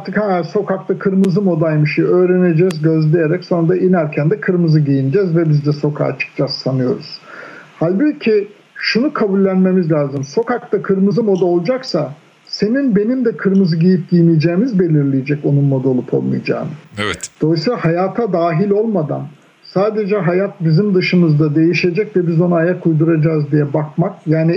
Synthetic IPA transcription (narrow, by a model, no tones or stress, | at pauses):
ɾt̪ʰɯkhamjæɾso̞kʰak̚t̪akʰɯɾmɯzɯmo̞d̪ajmɯʃiøːɾene̞d͡ʒɛzɟøzlʲejeɾɛcso̞nɾad̪aʔinæɾcʰænd̪ɛkʰɯɾmɯzɯɟijinid͡ʒɛzvɛbizd̪ɛso̞kʰa̰ːt͡ʃʰɯ̥k̚t͡ʃʰassanɯjo̞ɾuz̥halʲbicʰi | ʃunukʰabulʲːænme̞mizlʲaːzɯmso̞kakt̪akʰɯɾmɯzɯmo̞d̪ao̞lˠd͡ʒaksa | se̞ninbe̞nimd̪ɛkʰɯɾmɯzɯɟijip̚ɟijnijd͡ʒeːmizbe̞lʲiɾlʲijed͡ʒɛco̞nunmod̪o̞lˠupʰo̞̰lˠmɯ̰jad͡ʒa̰ːmɯvɛd̪̥o̞lˠɯsɯahajaːt̪ʰad̪aːɦilʲo̞lˠmad̪a̰n | saːd̪e̞d͡ʒɛɦajat̪̚bizimd̪ɯʃɯmɯzd̪ad̪e̞jiʃe̞d͡ʒɛc̚vɛbizo̞nuaajakʰujd̪uɾad͡ʒaːzd̪ijɛbakmakjaːni